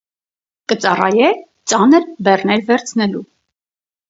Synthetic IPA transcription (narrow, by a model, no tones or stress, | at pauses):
kət͡sɑrɑ̰jɛ | t͡sɑnəɾbɛrnɛɾvɛɾt͡sʰnɛlu